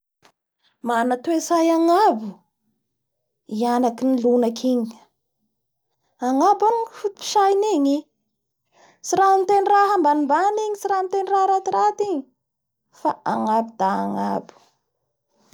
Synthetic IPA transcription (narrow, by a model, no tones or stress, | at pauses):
manat̪uesajaŋabu | ianakinilunakʰiɲ | aŋabanifut̪u̥pi̥ʃajniɲi | siɾanit̪eniraɦambanimbaniɲisiɾant̪enirahɾat̪iɾat̪iɲi | fa̰ʔaŋabid̪aaŋabu̥